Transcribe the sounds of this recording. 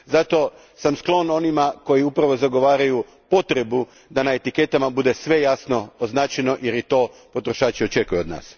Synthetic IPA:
zat̪o̞ | samsklˠo̞no̞nimako̞jiupɾaʋo̞zaɡo̞ʋaːɾaju | po̞t̪ɾe̞bu | d̪anae̞t̪ike̞t̪amabud̪e̞sʋe̞jasno̞oznaːt͡ɕeno̞ʔjeɾjit̪o̞ː | po̞t̪ɾo̞ʃaːt͡ʃio̞t͡ʃe̞kujuod̪na̰ːs

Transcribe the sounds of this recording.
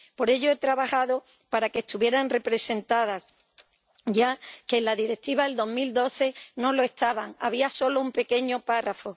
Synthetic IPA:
po̞ɾe̞ʝoet̪ɾaβaxaðo | paɾakeːst̪uβjeɾaŋre̞pɾe̞se̞nt̪að̞as | ʝakeːnlaðiɾek̚t̪iβaeld̪o̞ɦmild̪o̞θe̞no̞lo̞e̞st̪aβaŋa̰β̞iaso̞lo̞umpe̞ke̞ɲo̞parafo̞

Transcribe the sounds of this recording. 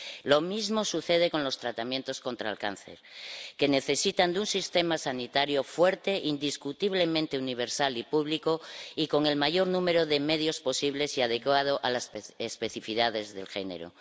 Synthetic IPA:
lo̞mizmosuθe̞ð̞e̞ko̞nlo̞st̪ɾat̪amjẽ̞nt̪o̞skõ̞nt̪ɾa̰ːlka̰nθe̞̰ɾke̞ne̞θe̞sit̪and̪unsist̪emasanit̪aɾjo̞fwe̞ɾt̪e̞ʔind̪iskut̪iβ̞le̞mẽnt̪e̞uniβ̞e̞ɾsalipuβlikoiko̞ŋe̞lmaʝo̞ɾnũme̞ɾoðe̞me̞ð̞jo̞spo̞siβle̞siað̞e̞kwað̞oʔalasespe̞θifiðaðe̞zðe̞lxe̞ne̞̰ɾo̰

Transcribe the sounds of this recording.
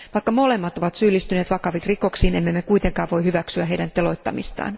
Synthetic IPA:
ʋɑikːɑmole̞mːɑt̪o̞ʋɑt̪syːlːist̪yneːt̪ʋɑkɑʋikriko̞ksiːnemːemːekujt̪eŋkɑːʋʋo̞ihyʋæksyæɦeijdænt̪elo̞jt̪ːɑ̰mist̪ɑ̰ːn

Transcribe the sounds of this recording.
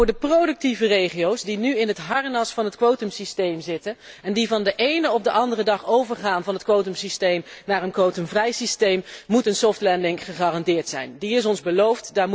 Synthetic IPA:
ʊːɹdəprodɵk̚tivərejχijowsdinyɪnɦətɦɑɹnɑsfɑnɦətkʋowtəmsistejmzɪtənɛndivɑndəʔejnəɔbdəʔɑndərədɑχowvəɹχaːnvɑnɦətkʋowtəmsistejmnaːrənkʋowtəmvrɛjsistejmːutənsɔftlɛndɪŋχəχaːrɑndɪːɹtsɛ̰jndiɪs̬ɔnzbəlowftdaːɹ

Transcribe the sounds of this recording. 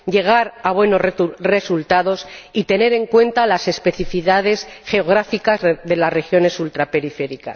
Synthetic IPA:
ʝe̞ɣ̞aɾaβ̞we̞no̞zre̞sult̪aðo̞sit̪e̞ne̞ɾe̞ŋkwe̞nt̪alase̞spe̞θifiðað̞e̞sxe̞o̞ɣ̞ɾafikazðe̞lasre̞xjo̞ne̞sult̪ɾape̞ɾife̞ɾika̰s

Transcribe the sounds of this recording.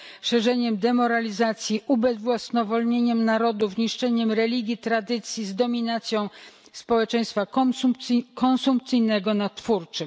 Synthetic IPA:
ʂɛʐɛɲɛmd̪ɛmɔɾalʲizat̪sʲjiʔubɛzvwasnɔvɔlɲeɲɛmnaɾɔd̪ufɲiʂt͡ʂɛɲɛmɾɛlʲiɡʲjit̪ɾad̪ɘt̪sʲjizd̪ɔmʲinat̪sʲjɔ̃w̃ | spɔwɛt͡ʂɛ̃j̃st̪fa | kɔnsump̚t̪sɘjnɛɡɔnat̪fuɾt͡ʂɘm

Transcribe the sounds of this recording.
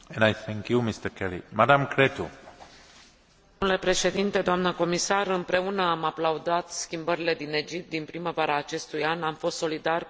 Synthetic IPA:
ɛ̃najθɛ̃ŋkjumist̪əkʰɛlḭmad̪ãmkʰɾet̪ṵ | ule̞pɾe̞ʃe̞d̪int̪e̞d̪oamnəko̞misarɨmpɾe̞unəamaplaud̪at̪skʲimbəɾile̞d̪ine̞d͡ʒip̚t̪̚d̪inpɾiməvaɾaːt͡ʃe̞st̪ujanamfost̪so̞lid̪arʲ

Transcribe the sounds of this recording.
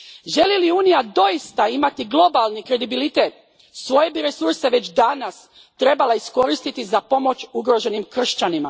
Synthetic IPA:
ʒe̞liliuːnijad̪o̞jist̪aimat̪iɡlˠo̞balˠnikɾe̞d̪ibilit̪e̞t̪ | sʋo̞je̞biɾesuɾse̞ʋe̞t͡ɕd̪anas | t̪ɾe̞balˠaisko̞ɾist̪it̪izapo̞mo̞t͡ʃuɡɾo̞ʒe̞nimkr̩ʃt͡ɕanima

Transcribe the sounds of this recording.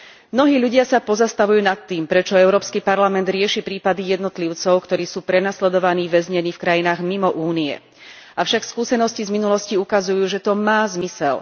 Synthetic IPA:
mnɔɦiːʎuɟɪasapɔzast̪aʋujuːnat̪ːiːmpɾɛt͡ʃɔɛʊɾɔːpskipaɾlamɛnd̪ɾɪɛʃipɾiːpad̪ijɛd̪nɔt̪liʊt͡sɔʊkt̪ɔɾiːsuːpɾɛnaslɛd̪ɔʋaniːʋɛzɲɛniːfkɾajinaːɣmimɔʔuːniɛ̰ | ʔafʃakfskuːsɛnɔscizminulɔsciukazujuːʒɛt̪ɔmaːzmisɛ̰l

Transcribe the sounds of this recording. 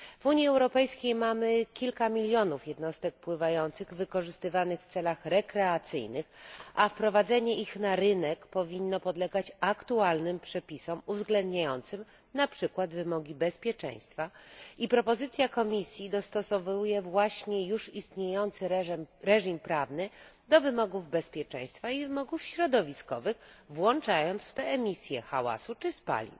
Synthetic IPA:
v̥uɲjiɛwɾɔpɛjskʲejmamɘkʲilkamʲilʲjɔnufjɛd̪nɔst̪ɛk̚pwɘvajɔnt̪sɘɣvɘkɔʐɘst̪ɘvanɘxft̪sɛlaxɾɛkɾɛat̪sɘ̰jnɘxafpɾɔvad̪zɛɲɛʔixnaɾɘnɛkpɔvʲinːɔpɔd̪lɛɡat͡ɕakt̪ualnɘmpʂɛpʲisɔmuvzɡlɛnd̪ɲajɔnt̪sɘm | napʂɘkwad̪vɘmɔɡʲibɛspʲjɛt͡ʂɛ̰̃j̃st̪faipɾɔpɔzɘt̪sʲjakɔmʲisʲjid̪ɔst̪ɔsɔvujɛvwaɕɲɛjuʂist̪ɲejɔnt̪sɘɾɾɛʐimpɾavnɘd̪ɔvɘmɔɡuvbɛspʲjɛt͡ʂɛ̰̃j̃st̪faivɘmɔɡufɕɾɔd̪ɔvʲiskɔ̰vɘxvwɔnt͡ʂajɔnt̪sft̪ɛɛmʲisʲjɛxa̰wa̰sut͡ʂɘspa̰lʲḭ

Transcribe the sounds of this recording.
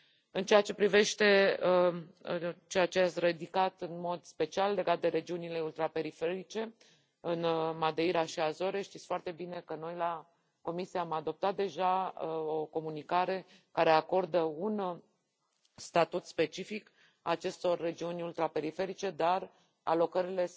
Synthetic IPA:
ɨnt͡ʃe̞at͡ʃe̞pɾive̞ʃt̪e̞ | t͡ʃe̞jat͡ʃe̞at̪sʲred̪ikat̪ɨnmo̞d̪spe̞t͡ʃialːe̞ɡat̪̚d̪e̞ɾe̞d͡ʒiunile̞ult̪ɾape̞ɾife̞ɾit͡ʃe̞ | ɨnmad̪eiɾaʃiazo̞ɾeʃt̪it̪sʲfoart̪e̞bine̞kəno̞jla | ko̞misijaːmad̪o̞p̚t̪at̪̚d̪e̞ʒaəo̞ko̞munikaɾe̞ | kaɾe̞ako̞rd̪əun | st̪at̪ut̪spe̞t͡ʃifik | at͡ʃe̞st̪o̞rːe̞d͡ʒiunʲult̪ɾape̞ɾife̞ɾit͡ʃe̞d̪ar | a̰lo̞kəɾile̞

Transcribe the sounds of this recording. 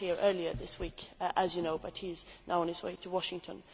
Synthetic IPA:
iɹʔɜ˞liə˞ðɪswiˑkʔəzjɨnoʊbʌt̚hizna̰ʊə̃nɨzwḛɪɾʰəwɒʃɪ̃ŋtʰə̃n

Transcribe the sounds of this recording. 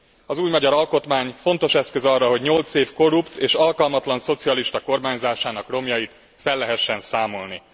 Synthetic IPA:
ɒzuːjmɒɟɒɾɒlko̞t̪maːɲfo̞nt̪o̞ʃɛskø̞zɒrːɒɦo̞ɟɲo̞lt̪seːfko̞ɾupt̪eːʃɒlkɒlmɒt̪lɒnso̞t̪siɒliʃt̪ɒko̞rmaːɲzaːʃaːnɒkro̞mjɒjit̪ | fɛlːɛɦɛʃːɛnsaːmo̞lni

